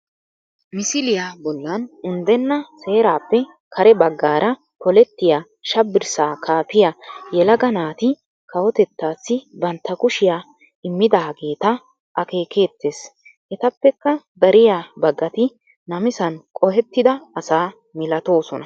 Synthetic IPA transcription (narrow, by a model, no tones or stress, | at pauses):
mɪsɪlɪjaːbɔlːɐnʊnd̪ɛnːɐse̞ːɾaːpːɛ | kʰɐɾɛbɐɡːaːɾʔɐ | pɔlɛt̪ːɪjaː | ʃɐbːɪɾsaːkʰaːpɪjajɛlɐɡɐnaːt̪ɪ | kɐwɔt̪ɛt̪ːaːsːɪbɐnt̪ːɐkʊʃɪjaː | ɪmːɪd̪aːɡe̞ːt̪ɐ | ʔɐke̞ːkeːt̪ːe̞ːs | ʔɛt̪ɐpːɛkːɐd̪ɐɾɪjaːbɐɡːɐt̪ɪ | nɐmɪsɐnkʼɔɦɛt̪ːɪd̪ɐːsaː | mɪlɐt̪o̞ːsɔnɐ